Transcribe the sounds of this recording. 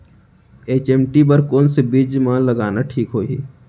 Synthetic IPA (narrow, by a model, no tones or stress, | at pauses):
eːt͡ʃeːmʈibɐɾkoːnsebid͡ʒmãːlɐɡaːnaʈʰiːkɦoːḭː